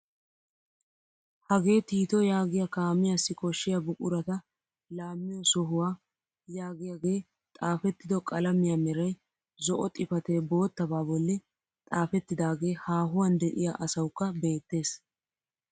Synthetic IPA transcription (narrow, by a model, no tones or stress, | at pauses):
hɐɡe̞ːt̪iːt̪ɔjaːɡɪjɐkaːmɪjasːɪkʼɔʃːɪjɐbʊkʼʊɾɐt̪ɐ | laːmːɪjɔsɔɦʊwaː | jaːɡɪjaɡe̞ː | t̪ʼaːfɛt̪ːɪd̪ɔkʼɐlɐmɪjamɛɾɐj | zɔʔɔt̪ʼɪfɐt̪eːbo̞ːt̪ːɐbaːbɔlːɛ | t̪ʼaːfɛt̪ːɪd̪aːɡe̞ːhaːɦʊwɐnd̪ɛʔɪ̰jaʔɐsɐwkːɐbe̞ːt̪ːe̞ːs